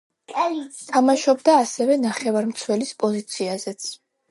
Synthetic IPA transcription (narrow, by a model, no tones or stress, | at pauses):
kʼt̪ʰamaʃɔbd̪aːsɛvɛnaχɛvaɾmt̪sʰwɛlispʼɔzit̪sʰiazɛt̪sʰ